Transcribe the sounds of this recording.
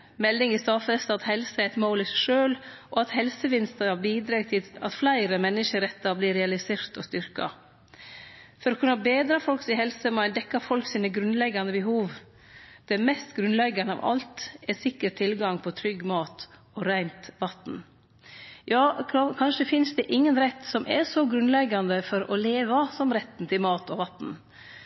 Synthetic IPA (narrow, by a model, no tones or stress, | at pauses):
mɛlːɪŋɪst̪ɑːfɛst̪ɑt̪hɛlsəɛɛɪt̪moːlɪsæʂøːlʔɔɑt̪hɛlsəʋɪnst̪əɾɑbiːd̪ɾɑːɡt̪ʰɪɑt̪flæɪɾəmɛnːɪʂəɾɛt̪ːɑbliːɾɛɑlɪseːɾt̪ɔst̪ʏɾkɑ̰ | fɔɾɔkʰʉnːɑbeːd̪ɾɑfɔlksɪhɛlsəmɑd̪ɛkːɑɾfɔlksiːnəɡɾʉnlɛɡːɑnəbəɦuːʋ | d̪̥ɛmɛst̪ɡɾʉnlɛɡːɑnəɑ̰ʋʔɑ̰lt̪ɛsɪkːəɾʈt̪ʰɪlɡɑŋpʰɔt̪ʰɾʏɡːmɑːt̪ | ɔɾæɪnt̪ʋɑt̪n | jɑːkʰkʰɑnʂəfɪnsd̪ɛʔɪŋːənɾɛt̪ːsɔmʔɛɾsɔɡɾʉnlɛɡːɑnd̪əfɔɾɔ̰leːʋɑsɔmɾɛt̪ːn̩t̪ʰɪlmɑːt̪ʰɔʋɑt̪n̩